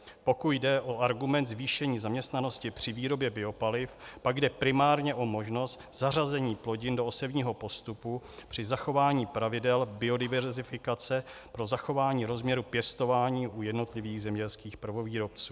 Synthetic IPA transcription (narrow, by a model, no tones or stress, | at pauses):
po̞kut̪dɛʔo̞aɾɡumɛnt̪zviːʃɛɲiːzamɲɛst̪nano̞scɪpr̥ɪviːɾo̞bjɛbɪo̞palɪfpaɡdɛpɾɪmaːɾɲɛʔo̞mo̞ʒno̞st̪z̥arazɛɲiːplo̞ɟɪndo̞osɛbɲiːɦo̞po̞st̪upupr̥ɪzaxo̞vaːɲiːpɾavɪdɛlbɪo̞dɪvɛɾzɪfɪkat͡sɛpɾo̞zaxo̞vaːɲiːɾo̞zmɲɛɾupjɛst̪o̞vaːɲiːʔujɛdno̞t̪lɪviːɣzɛmɲɛlskiːxpɾ̩vo̞viːɾo̞p̚t͡suː